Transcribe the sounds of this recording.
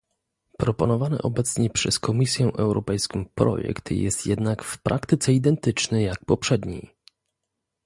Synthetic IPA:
pɾɔpɔnɔvanɘ̰ʔɔbɛt̪sɲɛpʂɛskɔmʲisʲjɛ̃ʔɛwɾɔpɛjskɔ̃w̃pɾɔ̰jɛ̰kt̪jɛ̰st̪jɛ̰d̪nakfpɾʔakt̪ɘt̪sɛid̪ɛnt̪ɘt͡ʂnɛjak̚pɔpʂɛd̪ɲḛj

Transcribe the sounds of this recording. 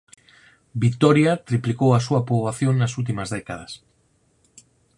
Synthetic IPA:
bit̪oɾjat̪ɾiplikowasuapɾoβaθjonːasult̪̬imazðekað̞as

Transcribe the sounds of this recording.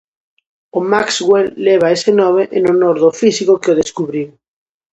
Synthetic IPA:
omaksɣwelːeβ̞aesenomeʔenonoɾðofisikokeoðeskuβɾiw

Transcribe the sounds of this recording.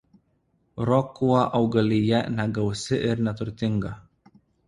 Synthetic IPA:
ɾɔkuɑʔɐʊɡɐlʲɪjɛnʲɛɡɐʊsʲɪʔɪɾnʲɛt̪ʊɾʲt̪ʲɪŋɡɐ

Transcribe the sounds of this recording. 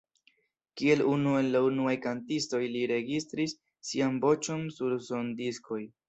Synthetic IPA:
kie̞lunue̞nlaunuajkantisto̞jliɾe̞ɡist̪ɾisː | ianbo̞t͡ʃo̞nsuɾso̞ndisko̞j

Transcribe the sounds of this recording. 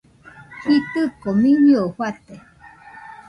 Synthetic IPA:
hit̪ɨkomĩɲohwat̪e

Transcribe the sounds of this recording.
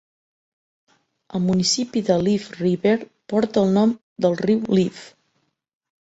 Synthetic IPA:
əlˠmunisipiðəlifriβeɾ | pɔɾt̪əːlˠnɔm | d̪əlˠriwlif

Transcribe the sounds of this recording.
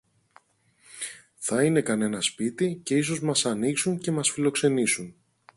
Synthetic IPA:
θɐine̞kɐne̞nɐspit̪ice̞is̬o̞zmɐsɐniksuɲce̞mɐsfilo̞kse̞nisun

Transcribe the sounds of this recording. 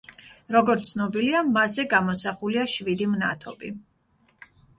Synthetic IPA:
ɾɔɡɔɾt̪sʰnɔbiliamazɛɡamɔsaχuliaʃvid̪imna̰t̪ʰɔ̰bḭ

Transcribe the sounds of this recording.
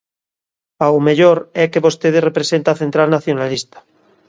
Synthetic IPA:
pawmeʎoɾɛkeβo̞st̪eðerepɾesent̪aθe̞nt̪ɾalnaθjo̞nalist̪ḁ

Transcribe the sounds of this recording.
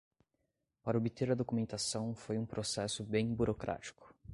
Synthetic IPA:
paɾɐobit̪eɾɐd̪okumẽnt̪asɐ̃w̃fojũpɾosɛsʊbẽj̃buɾokɾʔa̰t͡ʃi̥kʊ̥

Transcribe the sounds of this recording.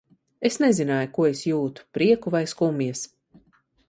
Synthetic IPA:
esnezinaːjukuɔesjuːt̪u̥pɾiɛkuvajskumiɛs

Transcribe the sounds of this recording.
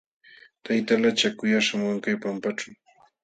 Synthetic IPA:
t̪ajt̪alat͡ʃakʊjaʃamaŋkajpampaʈ͡ʂaw

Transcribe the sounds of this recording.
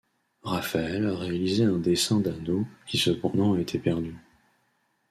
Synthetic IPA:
ʁafaɛlʁealizeɛ̃d̪esɛ̃d̪ad̪okʲisəpɑ̃d̪ɑ̃aet̪ʰepɛʁd̪y

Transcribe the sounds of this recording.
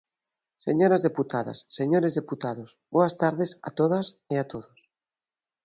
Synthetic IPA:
seɲoɾazðeput̪aða̰sːeɲoɾezðeput̪að̞osboast̪aɾðesa̰t̪oðas | eat̪oðos

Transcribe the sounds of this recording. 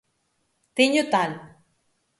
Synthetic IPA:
t̪eɲut̪al

